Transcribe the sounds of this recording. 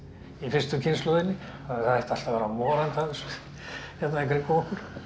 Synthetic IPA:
ifɪrst̪ʏcʰɪnslɔːðɪnːɪ | θaðahajht̪al̥t̪apaːɾamɔːɾant̪aðɛs | çɛt̪naeŋkaɾikowkʏɾ̥

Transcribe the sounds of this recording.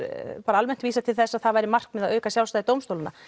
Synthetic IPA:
paːɾaalmɛn̥t̪viːsat̪ʰɪlθɛsːaðθaðvajɾɪmar̥k̚mɛðaðœɥkasjawlst̪ajðɪt̪oːwmst̪owlɪnːa̰

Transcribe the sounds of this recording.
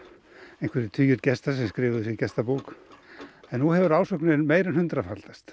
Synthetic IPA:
ẽjŋkʰvɛɾɪt̪ʰyːjʏɾt̪cɛst̪as̬ɛmskɾɪːvðʏsɛcɛst̪apuːk | ɛnːuhɛvʏɾaːwsœknɪnmeːjɾɪnhʏnt̪ɾafalt̪ast̪

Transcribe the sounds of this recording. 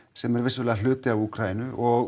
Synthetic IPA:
sɛmɛɾvɪsvʏɛlɛðalʏːt̪ɪavuːkɾajɪnʏʔɔɣ

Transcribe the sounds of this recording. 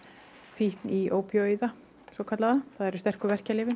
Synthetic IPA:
fihk̪niʔoːwpʰjoiːða | sɔkʰat̪laðaθaðɛɾʏ̥st̪ɛr̥kʏvɛr̥calɪːvɪ

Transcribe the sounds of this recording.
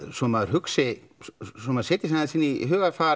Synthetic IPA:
sɔmaðʏɾ̥hʏksɪ | sɔmaðseːt̪ɪsanasiːnːɪiɦʏːɣaɾfaː

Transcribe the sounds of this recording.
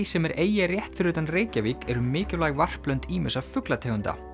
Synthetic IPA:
isɛmɛɾʔeːjarjɛht̪fɪɾʏt̪anreːjcaviːkɛɾʏmɪːcɪlaːjɣvar̥plœnt̪iːmʏsavfʏklat̪ʰeːɣʏnt̪a̰

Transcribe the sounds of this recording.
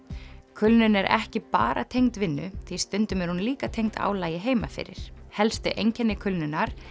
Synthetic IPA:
kʰʏlnʏnɛɾʔɛ̰hcɪpa̰ːɾa̰t̪ʰejŋt̪vɪnːʏ̰θist̪ʏnt̪ʏmɛɾhunliːkat̪ʰejŋt̪ʰa̰ːwlaːjɪɦeːjmafɪ̰ɾɪ̰ɾ̥hɛlst̪ʏʔejɲcʰɛnːɪkʰʏlnʏnaɾ̥

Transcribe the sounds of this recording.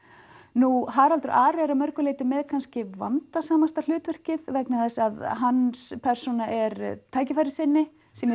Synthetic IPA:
nuɦaɾalt̪ʏɾʔaːɾɛaɾamœɾkʏleːjt̪ʏmɛðkʰanscɪva̰nt̪asaːmast̪al̥ʏːt̪vʏr̥cɪðvɛknaðɛsaðɦanːspʰɛr̥sunaʔɛɾt̪ʰaːjcɪfajɾɪsɪnːɪ | sɛm

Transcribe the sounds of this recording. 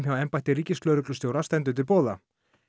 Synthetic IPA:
mjawɛmpajht̪ɪɾiːcɪsk̪lœːɥɾʏklʏst̪jowɾast̪ɛnt̪̬ʏt̪ʰɪlpoːða̰

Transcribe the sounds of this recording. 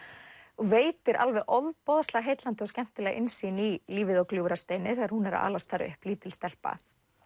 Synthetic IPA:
ɔveːjt̪ɪɾʔa̰lvɛɣʔɔvpɔðaslɛɣaɦeːjt̪lant̪ɪɔscɛm̥t̪ɪlɛːɣʔɪnsiːniliːvɪðɔwkljuːɾast̪eːjnɪθɛːɣaɾhunɛɾa̰a̰ːlast̪θaɾɪ̰ʏ̰hpliːt̪ɪlst̪ɛl̥pa̰

